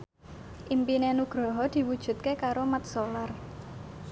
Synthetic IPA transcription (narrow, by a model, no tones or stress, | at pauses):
ʔimpinenuɡ̥ɾɔ̤ɦɔd̪̥i̤wud̥ʒ̥ṳt̪̚kekaɾomat̪̚solar